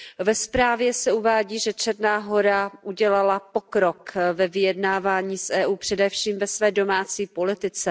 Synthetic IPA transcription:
vɛspɾaːvjɛsɛuvaːɟiːʒɛt͡ʃɛɾnaːɦo̞ɾaʔuɟɛlalapo̞kɾokvɛvɪjɛdnaːvaːɲiːsʔɛːʔuːpr̥ɛdɛfʃiːmvɛsvɛːdo̞maːt͡siːpo̞lɪt̪ɪt͡sɛ

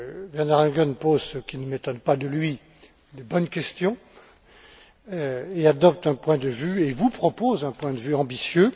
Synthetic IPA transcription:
vɛʁnaʁlɛ̃ɡɔnpozsəkʲinəmet̪ɔnpad̪əlɥi | d̪əbɔnkʲɛst̪jɔ̃ | ead̪ɔp̚t̪ɛ̃pwɛ̃d̪əvyevupχɔpozɛ̃pwɛ̃d̪əvyɑ̃bisjø

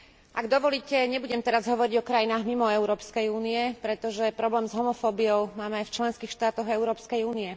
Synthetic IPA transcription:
ʔaɡd̪ɔʋɔliːcɛɲɛbuɟɛmt̪ɛɾazɦɔʋɔɾiɟɔkɾajinaːɣmimɔɛʊɾɔːpskɛjuːniɛpɾɛt̪ɔʒɛpɾɔblɛːmzɦɔmɔfɔːbijɔʊmaːmɛajft͡ʃlɛnskiːxʃt̪aːt̪ɔɣɛʊɾɔːpskɛjuːniɛ

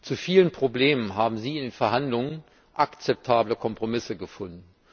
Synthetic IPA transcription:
t͡sufiːlənpʁ̥obleːmənɦaːbm̩ziːɪndeːnfɛɐɦandlʊŋən | ʔakt͡sɛp̚tʰaːbləkʰɔmpʁ̥omɪsəɡəfʊndn̩

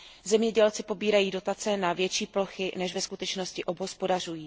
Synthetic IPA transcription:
zɛmɲɛɟɛlt͡sɪpo̞biːɾajiːdo̞t̪at͡sɛnavjɛt͡ʃiːploxɪnɛʃvɛskut̪ɛt͡ʃno̞scɪʔobɦospo̞dar̝ujiː

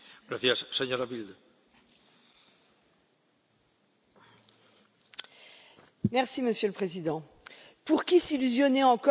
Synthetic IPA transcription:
ɡ̥ɾaθjasseɲoɾaβild̪ | mɛʁsiməsjøləpχezid̪ɑ̃ | puʁkʲisilyzjɔnɛɑ̃kɔ

